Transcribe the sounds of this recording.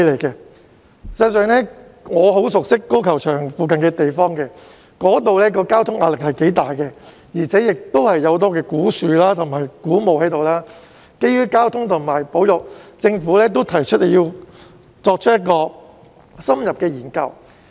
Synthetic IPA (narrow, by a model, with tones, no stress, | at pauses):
le˨˩kɛ˧ | sɐ˧s̬œː˨ŋnɛː˥ŋɔː˨˧ɦo˨˥wsʊ˨k̚sɪ˥kːo˥kʰɐ˨˩wt͡ʃʰœː˨˩ŋfuː˨kɐ˨nkɛː˧t̪e˨jfɔː˥ŋkɛ˧ | kɔː˨˥t̪o˨wlɛː˥k̬ɔː˧kaː˥wt̪ʰʊ˥ŋʔaː˧lɪ˨k̚hɐ˨jke˨˥jt̪aː˨jkɛː˧ | jiː˨˩t͡sʰɛː˨˥jɪ˨k̚t̪o˥whɐ˨jːɐ˨˧wt̪̬ɔː˥kɛː˧kuː˨˥syː˨˧laː˥t̪ʰʊ˨˩ŋmaː˨˩jkuː˨˥mo˨whɐ˨˥jt̪o˨wlaː˥ | ke˥jɥyː˥kaː˥wt̪ʰʊ˥ŋt̪ʰʊ˨˩ŋmaː˨˩jpo˨˥wjʊ˨k̚t͡sɪ˧ŋfuː˨˥lɛː˥t̪̬o˥wt̪ʰɐ˨˩jt͡ʃʰɵ˥t̚le˨˩jiː˧ | t͡sɔː˧k̚t͡ʃʰə˥t̚jɐ˥t̚kɔː˧ | sɐ˥mjɐ˨p̚kɛː˧jiː˨˩nkɐ̰˧w